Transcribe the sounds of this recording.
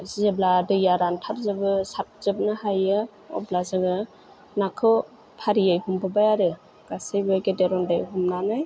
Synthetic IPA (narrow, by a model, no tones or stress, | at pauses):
zebladɯjaɾantʰaɾzɯbɯsat̚z̥ɯb̚nɯhajɯ | ɔ̰blazɯɡɯ | nakʰɯw | pʰaɾijajhumbɯbajaɾɯ | ɡ̥asejbɯɡedeɾɔndajɦumnanaj